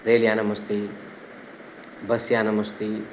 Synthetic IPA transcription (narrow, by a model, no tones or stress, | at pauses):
ɾelijaːnɐmɐst̪ʰi | bɐsijaːnɐmɐst̪ʰi